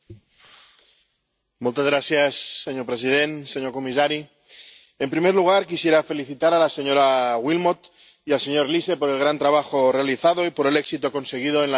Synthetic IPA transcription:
mult̪azɣɾaθjasːeɲoɾpɾesiðent̪se̞ɲoɾkomis̬aɾi | empɾimeɾluɣ̞aɾkisjeɾafe̞liθit̪aɾalaseɲoɾaɣwilmot̪ | ialse̞ɲoɾlise̞poɾe̞lɣ̞ɾant̪ɾaβ̞axore̞aliθaðo̞ipoɾe̞leksit̪oko̞nse̞ɣ̞ið̞oen

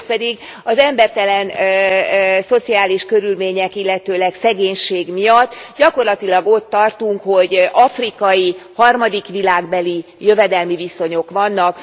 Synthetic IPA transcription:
pɛd̪iɡ | ɒzɛmbɛrt̪ɛlɛn | so̞t̪siaːliʃkø̞ɾylmeːɲɛkilːɛt̪øːlɛksɛɡeːɲʃeːɡmijɒt̪ːɟɒko̞rlɒt̪ilɒɡo̞t̪ːɒrt̪uŋkho̞ɟʔɒfrikɒjihɒrmɒd̪ikʋilaːɡbɛlijø̞vɛd̪ɛlmiviso̞ɲo̞kʋɒnːɒk

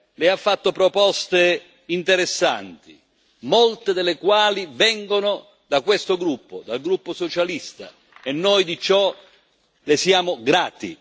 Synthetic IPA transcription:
lɪafːat̪ːopɾopɔst̪e | int̪eɾesːa̰nt̪i | molt̪ɪd̪ɪlɪkwaːlivɛŋɡonʊ | d̪akwest̪oɡɾupːod̪alɡɾupːosɔt͡ʃalist̪a̰ | ɛnːɔjd̪it͡ʃɔ | lɪsjaːmʊɡɾaːt̪ḭ

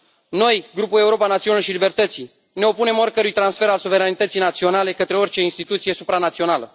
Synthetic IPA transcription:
no̞jɡɾupule̞uɾo̞panat̪sionaʃilibe̞rt̪ət̪si | ne̞o̞pune̞mo̞rʲkəɾujt̪ɾansfe̞ɾalsuve̞ɾanit̪ət̪sijnat̪sio̞nale̞kət̪ɾeo̞rʲt͡ʃe̞inst̪it̪ut̪sije̞supɾanat̪sio̞nalə

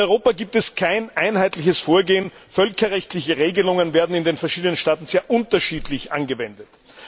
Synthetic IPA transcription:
ɔʏʁoːpaɡiːp̚tɛskʰaɪnʔaɪnhaɪtlɪçəsfoːɐɡeːən | fœlkɐʁɛçtlɪçəʁeːɡəlʊŋənveːɐdn̩ɪndeːnfɛɐʃiːdənənʃtaːtn̩z̥eːɐʔʊntɐʃiːdlɪçʔa̰nɡəvɛndət

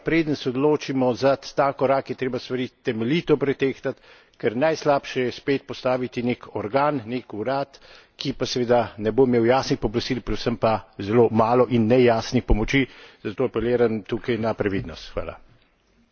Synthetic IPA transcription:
pɾeːd̪ənsɛod̪loːt͡ʃimɔzat̪aːkɔɾaːkjɛt̪ɾeːbast̪ʋɐɾit̪ɛmɛliːt̪ɔpɾɛt̪eːxt̪at̪ | kɛɾnajslaːpʃɛjɛspeːt̪̚pɔst̪aːʋit̪inekʰɔɾɡaːnnekuɾaːt̪ | kipasɛʋeːd̪anɛboːimeːwjaːsnixpɔblast̪iːlpɾɛd̪səmpazɛlomaːlɔʔinːɛjaːsnixpɔmɔt͡ʃizat̪oːapɛleːɾamt̪ukɐjnapɾaʋiːd̪nɔst̪xʋa̰ːla̰

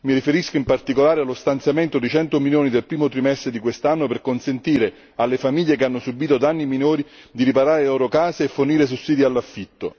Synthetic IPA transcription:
miɾifeɾiskoimpart̪ikolaːɾealːost̪ant̪sjament̪od̪it͡ʃɛnt̪omiljoːnid̪elpɾiːmot̪ɾimɛst̪ɾed̪ikwest̪anːoperkonsent̪iːɾe | alːefamiʎːekeanːʊsubiːt̪od̪anːiminoːɾi | d̪iɾipaɾaːɾelɔːɾokaːseːfːʊrniːɾes̬usːiːd̪ialːafːit̪ːo̰

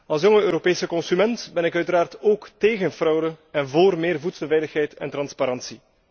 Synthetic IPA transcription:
ɑlˠs̬joŋəøːɾopeːsəkɔnsymɛntbɛnɪkœɥtəɾaːrtoːkteːɣənfrɔwdəɛnvoːrmeːrvutsəlˠvɛjləxɦɛjtɛ̰ntɾɑnspaɾɑnsi

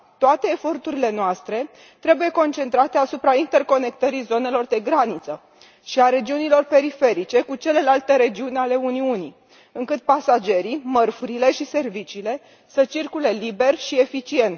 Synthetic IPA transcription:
t̪oat̪e̞ːfo̞rt̪uɾile̞noast̪ɾe̞ | t̪ɾe̞buje̞ko̞nt͡ʃe̞nt̪ɾat̪e̞asupɾaint̪e̞rko̞ne̞k̚t̪əɾizo̞ne̞lo̞rd̪e̞ɡɾanit̪sə | ʃiaɾe̞d͡ʒiunilo̞rpe̞ɾife̞ɾit͡ʃe̞kut͡ʃe̞le̞lalt̪əɾe̞d͡ʒiunale̞uniuni | ɨŋkɨt̪̚pasad͡ʒe̞ɾimərfuɾile̞ʃise̞rvit͡ʃiːle̞ | sət͡ʃirkule̞libe̞rʃie̞fit͡ʃie̞nt̪

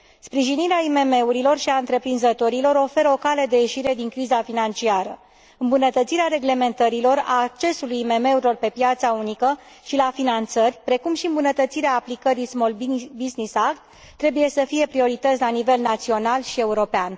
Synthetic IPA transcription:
spɾiʒiniɾeaime̞me̞uɾilo̞rʃiaɨnt̪ɾe̞pɾinzət̪o̞ɾilo̞ɾo̞fe̞ɾəo̞kale̞d̪e̞je̞ʃiɾe̞d̪iŋkɾizafinant͡ʃiaɾə̰ | ɨmbunət̪ət̪siɾeaɾe̞ɡle̞me̞nt̪əɾilo̞ra̰ːk̚t͡ʃe̞sulujime̞me̞uɾʲilo̞rpe̞pjat̪saunikə | ʃilafinant̪sərʲpɾe̞kumʃiɨmbunət̪ət̪siɾeaːplikəɾismolbiznisakt̪ː | ɾe̞buje̞səfije̞pɾio̞ɾit̪ət̪sʲlanive̞lnat̪sio̞nalʃie̞uɾo̞pean

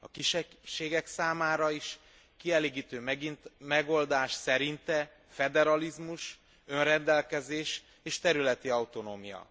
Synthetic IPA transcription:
ɒkiʃɛʃeːɡɛksaːmaːɾɒiʃ | kiɛleːɡiːt̪øːminmɛɡo̞ld̪aːʃsɛɾint̪ɛ | fɛd̪ɛɾɒlizmuʃ | ø̞nrɛnd̪ɛlkɛzeːʃ | eːʃt̪ɛɾylɛt̪iɒwt̪o̞noːmijɒ̰

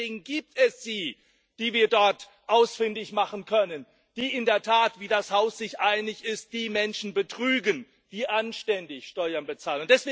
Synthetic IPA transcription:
eːɡŋ̩ɡiːp̚tɛsz̥iː | d̥iːviːɐdɔɐt | ʔaʊsfɪndɪçmaχənkʰœnən | d̥iːʔɪndeːɐtʰaːtv̥iːdashaʊsz̥ɪçʔaɪnɪçɪst̚d̥iːmɛnʃn̩bətʁ̥yːɡən | d̥iːʔanʃtɛndɪçʃtɔʏɐnbət͡saːlənʊntd̥ɛsv̥eː

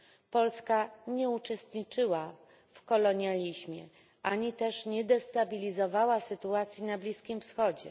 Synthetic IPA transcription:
pɔlskaɲɛut͡ʂɛst̪ɲit͡ʂɘwa | fkɔlɔɲjalʲiʑmʲjɛ̰ | ʔaɲit̪ɛʂɲɛd̪ɛst̪abʲilʲizɔvawasɘt̪uat̪sʲjinablʲiskʲimfsxɔd͡ʑɛ̰

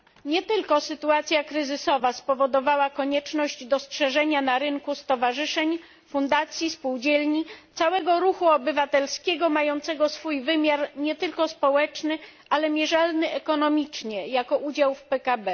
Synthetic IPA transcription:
ɲɛt̪ɘlkɔsɘt̪uat̪sʲjakɾɘzɘsɔvaspɔvɔd̪ɔvawakɔɲɛt͡ʂnɔʑd͡ʑd̪ɔstʂɛʐɛɲanaɾɘŋkust̪ɔvaʐɘʂɛɲ | fund̪at̪sʲjispuwd͡ʑɛlɲit̪sawɛɡɔɾuxuɔbɘvat̪ɛlskʲɛɡɔmajɔnt̪sɛɡɔsfujvɘmʲjaɾɲɛt̪ɘlkɔspɔwɛt͡ʂnɘ | alɛmʲjɛʐalnɘɛkɔnɔmʲit͡ʂɲɛjakɔʔud͡ʑawfpɛkabɛ

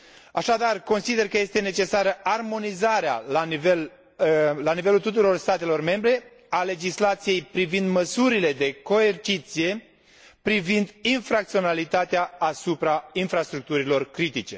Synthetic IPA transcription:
aʃad̪arko̞nsid̪e̞rkəje̞st̪e̞ne̞t͡ʃe̞saɾəʔarmo̞nizaɾea̰laivel | lanive̞lult̪ut̪̬uɾo̞rst̪at̪e̞lo̞rme̞mbɾe̞ | ale̞d͡ʒislat̪sije̞jpɾivind̪məsuɾile̞d̪e̞ko̞e̞rt͡ʃit̪sije̞ | pɾivind̪infɾak̚t̪sio̞nalit̪at̪eaːsupɾainfɾast̪ɾuk̚t̪uɾilo̞rkɾit̪it͡ʃe̞

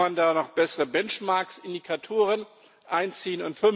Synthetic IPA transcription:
andaːnɔχb̥ɛsəʁəbɛnt͡ʃmaɐksɪndikʰatʰoːʁən | ʔaɪnt͡siːənʊntfʏ

